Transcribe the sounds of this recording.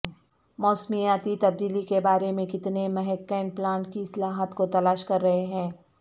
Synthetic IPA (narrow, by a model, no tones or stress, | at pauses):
mɔːsmijaːt̪it̪ɐb̚d̪iːlikebaːɾemẽkɪt̪nemɛɦɛkːɛːnplãːɳʈkiɪslaːɦət̪kot̪ɐlaːʃkɐɾːɐɦeɦɛ̃ː